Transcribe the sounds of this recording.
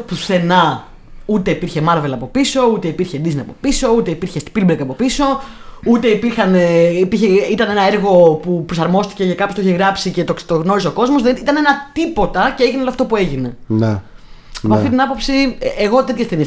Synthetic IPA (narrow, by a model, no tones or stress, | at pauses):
puθe̞nɐ | ut̪e̞ipiɾçe̞mɐɾve̞lɐːpo̞piso̞ut̪e̞ipiɾçe̞d̪izniɐpo̞piso̞ut̪e̞ipiɾçest̪i̥pilbekɐpo̞piso̞ | ut̪e̞ipiɾxɐneipiɾçeit̪ɐne̞nɐeɾɣo̞pupɾosɐɾmo̞st̪i̥cecakɐpost̪eçiɣɾɐpsice̞t̪ot̪oɣno̞ɾisoko̞zmo̞zðeit̪ɐne̞nɐt̪ipo̞t̪ɐceeʝineoloɐft̪opue̞ʝine̞ | ɐpɐft̪it̪inɐpo̞psieɣo̞t̪e̞t̪çest̪eni